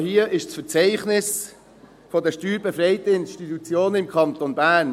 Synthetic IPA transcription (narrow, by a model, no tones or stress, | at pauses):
hiəʔɪʃt͡sfəɾt͡sɛɪχnɪs | fɔdəʃtyːɾbɛfɾɛɪt̪əɪnʃtit̪ut͡sjoːnəɪmkʰɑnt̪onbæːɾn